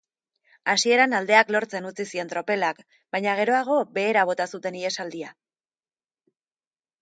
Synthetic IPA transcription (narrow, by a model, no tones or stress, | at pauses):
asie̞ɾanald̪e̞aklo̞ɾt͡se̞nut͡sisie̞nt̪ɾo̞pe̞lak | bajɲaɣ̞e̞ɾo̞aɣ̞o̞be̞ːɾaβ̞o̞t̪asut̪e̞nie̞sald̪ia